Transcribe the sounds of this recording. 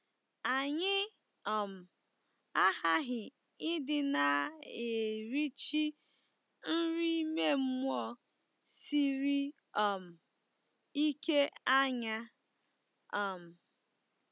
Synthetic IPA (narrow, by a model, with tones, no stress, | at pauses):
a˨ɲɪ˦ | ɔ˨m̩˨ | a˦ha˦ɦɪ˨ | ɪ˦dɪ˨na˨e˨ɾi˦t͡ʃi˦ | n̩˦ɾi˦i˦me˦m̩˦mʷ˦ɔ˦ | si˦ɾi˦ | ɔ˨m̩˨ | i˦ke˦a˦ɲa˦ | a˨m̩˨